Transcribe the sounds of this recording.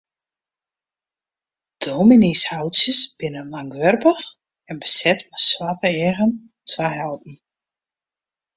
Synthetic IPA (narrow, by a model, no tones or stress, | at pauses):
d̥ominishawtsjəsb̥ɪnəlaŋʋørpəx | ɛnbəsɛtmaswatəɛːɣən | tʰʋaɦɛlt̚n̩